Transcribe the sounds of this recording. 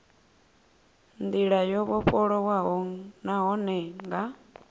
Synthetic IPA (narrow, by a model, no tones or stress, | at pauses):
nd̪iɺajɔβɔɸʼɔɺɔwaɦɔŋnaɦɔnɛŋɡa